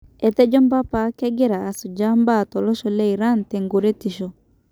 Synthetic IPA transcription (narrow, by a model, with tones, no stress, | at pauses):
ɛ˨t̪ɛ˦d͡ʒɔ˦mba˦pa˨˦kɛ˦ɡɛ˦ɾaː˨su˨d͡ʒa˦mba˦˨tɔ˨lɔ˦ʃɔ˨lɛ˦i˨ɾa˦n̩tɛ˨ŋɡo˨ɾɛ˦ti˨ʃɔ˨